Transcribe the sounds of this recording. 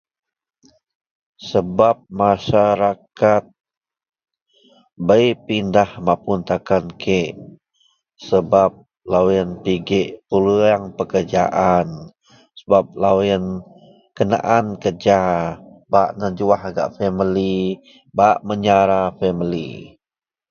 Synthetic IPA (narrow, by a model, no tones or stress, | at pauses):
səbap̚masaɾakat̪̚ | bəjpindahmapunt̪akankʰeʔ | səbap̚ | lawənpiɡeʔpuluaŋpəkərd͡ʒa̰ʔan | səbap̚lawiən | kəna̰ʔankərd͡ʒabaʔnəd͡ʒuahaɡa̰ʔfɛməli | baʔməɲaɾafɛməlḭ